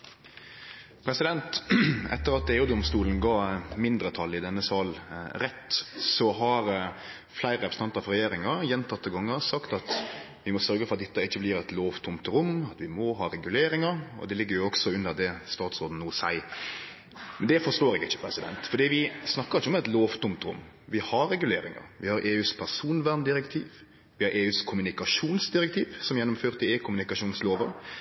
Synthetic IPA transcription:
pʰɾɛsɪd̪ɛnt̪ɛ̰t̪ːəɾɑt̪̚eːuːd̪ɔmst̪uːlən̩ɡɑːmɪnd̪ɾət̪ʰɑlːɪd̪ɛnːəsɑːlɾɛt̪ːsɔɦɑɾ | flæɪɾəɾɛpɾəs̩ɑnt̪ɑfɾɛjeːɾɪŋɑɾjɛnt̪ʰɑt̪ːəɡɑŋːəɾsɑkt̪ɑt̪ | ʋɪmɔsœɾɡəfɔɾɑt̪̚d̪ɪt̪ːəɪçːəblɪːɾɛt̪loːʋt̪ʰʊmt̪ɾʊmɑt̪ʋɪmɔɦɑːɾɛɡʉleːɾɪŋɑɾɔ̰d̪ɛlɪɡːəɾjʊɔksɔʉnːəɾd̪ɛst̪ɑːt̪sɾoːd̪n̩nuːsæ̰ɪ | mɛnd̪ɛfɔɾʂt̪oːɾɪɡɪçːə̥pʰɾɛsɪd̪ɛ̰nt̪fɔɾd̪iːʋɪsnɑkːəɾɪçːəɔmɛt̪loːʋt̪ʰʊmt̪ɾʊ̰mː | ʋɪhɑɾɾɛɡʉlḛːɾɪŋɑ̰ɾʋɪhɑɾeːʉːspʰæɾsuːnʋæɾnd̪ɪɾɛkt̪ʰiːʋ | ʋɪhɑɾʔeːʉːskʰʊmʉnɪkɑʂuːnsd̪ɪɾɛk̚t̪ʰiːʋsɔmjɛnːɔmføːɾt̪ɪeːkʰʊmʉnɪkɑʂuːnsloːʋəɾ

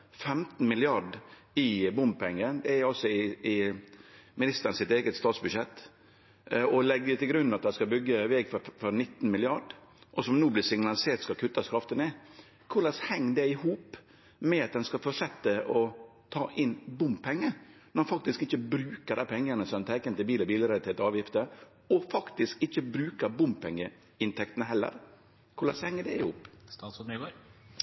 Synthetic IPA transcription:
fɛmt̪n̩mɪlɪɑɖ | ɪbʊmbpʰɛŋːəd̪ɛæɾɔsɔɪɪ | mɪnɪst̪əɾnsɪt̪eːɡət̪st̪ɑːt̪sbʉʃɛt̪ː | ɔlɛɡ̪ːɛt̪ʰɪlɡɾʉnːɑt̪̚d̪ɛskɑbʏɡːəʋɛːɡfɔfɔɾnɪt̪ːn̩mɪlɪɑɖʔɔsɔmnuːblɪsɪŋnɑlɪseːt̪skɑkʰʉt̪ːɑskʰɾɑft̪ənɛ | kʰʊɭɛshɛŋːd̪ɛɪhuːp | mɛɑt̪̚d̪ɛnskɑfɔʂɛt̪ːəʔɔt̪ʰɑːʔɪnbʊmppʰɛŋːənɔɛnfɑk̚t̪ɪskɪçːəbɾʉːkəɾd̪ɛpʰɛŋːənəsɔmɛnt̪ʰɛɪkənt̪ɪlbiːlɔbiːləɾɛlɪt̪ʰeːt̪əɑːʋjɪft̪ə | ɔfɑkt̪ɪskɪçːəbɾʉːkəɾbʊmppʰɛŋːə | ɪnt̪ʰɛkt̪nəhɦɛlːə̰ɾ | kʰʊɭɑ̰shɛŋːəd̪ɛɪhuːpst̪ɑːsm

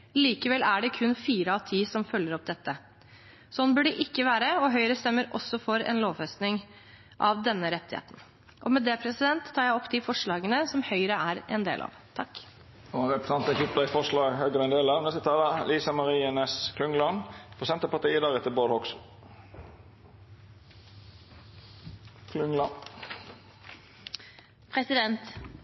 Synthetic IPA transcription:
liːkəʋɛlæɖɛkʰʉnfiːɾəɑʋt̪ʰiːsɔmfœlːəɾɔp̚ːd̪ɛt̪ːə | sɔnːbʉɖɛʔɪkːəʋæːɾəɔɦœʏɾəst̪ɛmːəɾʔɔsːɔfɔɾɛ̰nloːʋfɛst̪nɪŋ | ʔɑʋd̪ɛnːəɾɛt̪ːɪhḛːt̪n̩ | ʔɔmɛd̪eːpʰɾɛsɪd̪ɛnt̪ʰːɑːɾjæɪɔpːd̪ifɔʂɭɑːɡənəsɔmhœʏɾəæɾɛ̰nd̪ḛːlʔɑ̰ːʋ | t̪ʰɑkː | oʁɛpʁəsɑnt̪əçʊpd̪ɑɪfɔʁʂlɑːɡhøːɡəʁəɛnd̪eːlɑʋnɛst̪ət̪ʰɑlɑliːsɑmɑʁiːənəskʰlʉŋlɑnpʰʁʊsɛnt̪əpɑt̪iːəd̪ɑːʁɛt̪ːəboːd̪hɔks | kʰlʉŋlɑn | pʰɾɛsɪd̪ɛnt̪

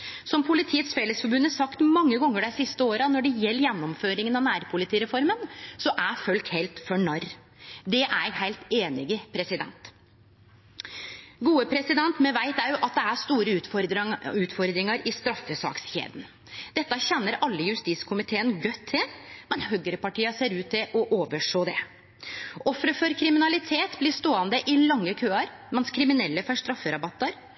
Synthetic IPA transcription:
sɔmpʰʊlɪt̪ʰiːət̪sfeːləsfɔɾbʉnəsɑkt̪mɑŋːəɡɔŋːəɖæɪsɪst̪əoːɾɑnɔɖɛjɛlːəɾjɛnːɔmføːɾɪŋənɑnæːɾpʰʊlɪt̪ʰiːɾɛfɔɾmənsɔʔæfœlk̪hɛlt̪fɔɳɑɾ | d̪ɛʔæhæɪlt̪eːnɪɡəpʰɾɛsɪd̪ɛ̰nt̪ | ɡuːəpʰɾɛsɪd̪ɛnt̪mɛʋæɪt̪æɾjʊʔɑt̪̚d̪ɛæʂt̪uːɾə | ʉːt̪fɔɾd̪ɾɪŋɑɾɪst̪ɾɑfːəsɑ̰ːksçḛːd̪n | d̪̥ɛt̪ːɑçɛnːəɾʔɑlːəjʉst̪iːt̪skʰʊmɪt̪ʰeːənɡœt̪ʰːɪlmɛnɦœɡəɾəpɑʈiːɑseːɾʉːt̪ʰːɪʔɔʔoːʋəʂoːd̪ɛ | ʔɔfɾəfɔɾkʰɾɪmɪnɑlɪt̪ʰeːt̪blɪʂt̪oːɑnd̪əʔɪlɑŋːəkʰøːɑɾ | mɛnskʰɾɪmɪnɛlːəfɔʂt̪ɾɑfːəɾɑbɑt̪ːɑɾ

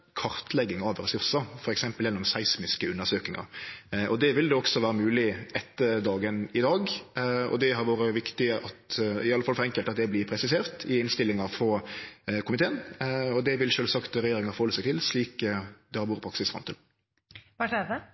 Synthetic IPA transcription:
kʰɑɾt̪lɛɡːɪŋɑʋɾɛsʉɾsɑfɔɾɛksɛmpəljɛnːɔmsæɪsmɪskəʉnːəɾsøːkɪŋɑ̰ʔɔd̪ɛʋɪld̪ɛɔksɔʋæːɾəmʉːlɪɛt̪ːəd̪ɑːɡənɪd̪ɑːɡɔ̰d̪ɛɦɑɾʋoːɾəʋɪkt̪ɪʔɑt̪ɪɑlːəfɑlfɔɾɛŋkəlt̪ɑt̪d̪ɛblɪpʰɾɛsɪseːɾt̪ʰɪɪnst̪ɪlːɪŋɑɾfɾɔkʰʊmɪt̪eːənɔd̪ɛʋɪlʃøːlsɑkt̪ɾɛjeːɾɪŋɑfɔhɔləsɛɪɡt̪ʰɪlsliːkd̪ɛhɑɾʋoːɾəpʰɾɑksɪsfɾɑmt̪ɪl | ʋɑʂeːd̪ə

